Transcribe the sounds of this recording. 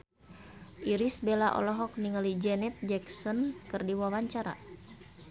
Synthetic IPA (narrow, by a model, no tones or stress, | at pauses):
ʔiɾisbelaʔɔ̰lɔɦɔk̚niŋalid͡ʒɛnɛt̪̚d͡ʒɛksɔnkɨrdiwawaɲt͡ʃaɾa̰